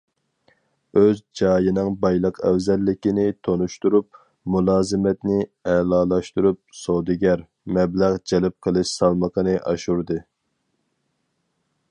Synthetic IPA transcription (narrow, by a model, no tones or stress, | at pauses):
øzd͡ʒɑːjinɨŋbɑjlˠəqʰɛ̰wzɛlːɪkʲinɪt̪ʰonuʃt̪uɾup̚ | mulˠɑːzɨmɛt̪nɪɛlˠɑːlˠɑʃt̪uɾup̚sod̪ɪɡʲæɾ | mɛblæʁd͡ʒɛlɪp̚qʰəlˠɨʃsɑlˠməqʰənɨʔɑʃuɾd̪ɨ